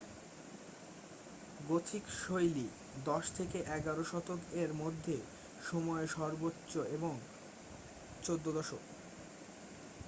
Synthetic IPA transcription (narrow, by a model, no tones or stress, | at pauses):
ɡot̪ʰikʃojli | d̪ɔʃt̪ʰekeʔɛɡaɾoʃɔt̪okeɾmod̪ʱːe | ʃɔmɔeʃɔɾbotːɕoeboŋ | t͡ɕod̪ːod̪ɔʃo̰k